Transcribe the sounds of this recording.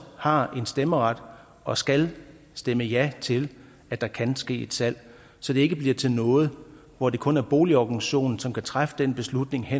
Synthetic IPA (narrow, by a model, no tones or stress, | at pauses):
hɑ̈e̝nsd̥eməʁɑd̥ | ɒ̽sɡ̥æl | sd̥eməjæt͡sʰe̝l | æd̥ɑ̈kʰænsɡ̥e̝̰ːe̝d̥sæl̰ | sɒ̽d̥e̝e̝ɡ̥əb̥liɐ̰t͡sʰe̝lnɔ̽ːð̞̩ˠ | ʋɒd̥e̝kʰɔ̽næɐb̥o̝ːliɒɡ̥ŋɕo̝̰ːnn̩sɒ̽mkʰæt͡sʰʁafə̥d̥enb̥e̝slud̥ne̝ŋɦe